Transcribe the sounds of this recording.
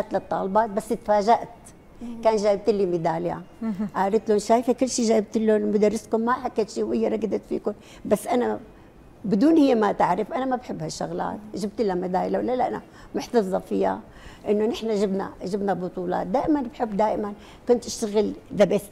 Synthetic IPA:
at̪lɨt̪ˤːɑ̰ːlbɑːt̪̚basːɪt̪faːʒaʔt̪ | kaːnʒaːjɪb̚t̪ɪlːimɪd̪aːlja̰ʔaːɾɪt̪lʊnʃaːjfakʊlːʃiːʒaːjɪb̚t̪ɪlːonmʊd̪arˤːɪskʊmːaħakːat̪ʃiːwɪjːaɾˤɑɡd̪at̪fḭːkʊm | basːʔana | bɪd̪uːnhɪjːamat̪aʕɾɪfʔanamabħɪbːhaʃːʊɣla̰ːt̪ʒɪb̚t̪ʔɪlːamad̪aːjlawlːalʔana̰ | mʊħt̪ɑfðˤɑfɪja̰ | ʔɪnːʊnɪħnaʒɪbna̰ʒɪbnabʊt̪ˤuːlɑ̰ːt̪̚d̪aːʔɪmanbħɪbːd̪aːʔɪman | kʊnt̪ʔɪʃt̪aɣɪlðabɪs

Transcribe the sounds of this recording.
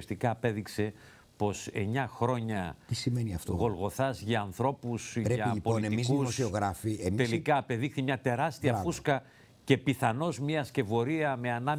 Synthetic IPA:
st̪ikɐːpe̞ðikse̞ | po̞se̞ɲɐxɾo̞ɲɐt̪isimeniɐft̪oɣo̞lɣo̞θɐzʝɐːnθɾo̞pusɾeɐipoolineiikusssioɣɾɐfiet̪elikɐːpe̞ðixθimɲɐt̪e̞ɾɐst̪iɐfuskɐ | ce̞piθɐno̞zmiɐsce̞vo̞ɾiɐme̞ɐnɐm

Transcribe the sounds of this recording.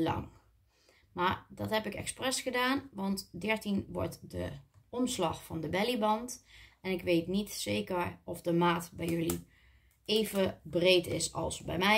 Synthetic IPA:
lɑ̰ŋ | maːɹdɑtɦɛpɪkɛ̰ksprɛsχədaːnʋɑntdɛɹtinʋɔ̰ɹtdə̰ʔɔmslɑχfɑndəbɛlibɑntɛnɪkʋejtnitsejkəɹɔfdəmaːtbɛjɵli | eːjvəbrejtɪ̰sɑ̰lˠsbɛ̰jmɛ

